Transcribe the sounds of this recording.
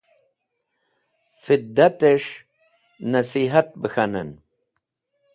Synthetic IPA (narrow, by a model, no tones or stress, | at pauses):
fid̪ːat̪eʂ | nɐsiɦat̪̚bəxanə̰n